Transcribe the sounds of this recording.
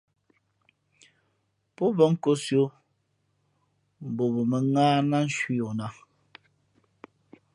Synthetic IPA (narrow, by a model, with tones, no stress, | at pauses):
pɔ˦bɔ˦ŋ̩˦ko˦sjo˦ | m̩˨bo˨bo˨me˨ŋaː˦na˦n̩˦ʃwi˦o˨na˦